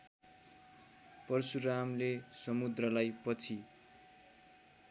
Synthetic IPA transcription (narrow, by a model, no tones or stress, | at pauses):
pʌrsuɾamlesʌmud̪rʌlajpʌt͡sʰi